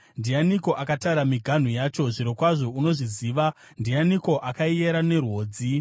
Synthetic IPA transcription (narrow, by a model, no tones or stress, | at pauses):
ndijaniko̞ʔakataɾamiɡʱan̤ujaːt͡ʃo̞ʐiɾo̞kwaʐo̞uno̞ʐiziːʋa | ndijaniko̞ʔakaijeɾane̞rwo̞ːd͡zi